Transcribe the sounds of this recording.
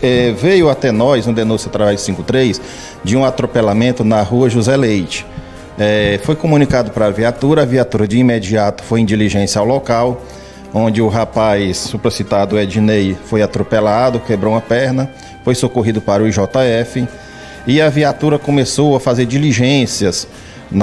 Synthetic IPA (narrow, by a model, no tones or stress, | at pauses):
ɛvejʊat̪ɛnɔjzũd̪enũsjʊat̪ɾavɛzsĩkʊt̪ɾejs | d͡ʒɪũat̪ɾopelamẽnt̪ʊnɐɦuɐʒuzɛlejt͡ʃɪ̥ | ɛfojkõmũnikad̪ʊpɾɐːviat̪uɾɐaviat̪uɾɐd͡ʒɪimed͡ʒiat̪ʊ̥fojĩd͡ʒiliʒẽsjɐawlɔkaw | õd͡ʒɪʊɦapajsːupɾosit̪ad̪ʊɛd͡ʒinejfojat̪ɾopelad̪ʊkebɾowũmɐpɛɾnɐ | fojsokoɦid̪ʊpaɾʊiʒɔt̪ɐɛfɪ | ɪɐviat̪uɾɐkõmesowɐfazeɾd͡ʒiliʒẽsiɐs | n